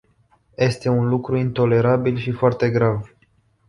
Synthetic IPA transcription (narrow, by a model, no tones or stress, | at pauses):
je̞st̪e̞unlukɾuint̪o̞le̞ɾabilʃifoart̪e̞ɡɾav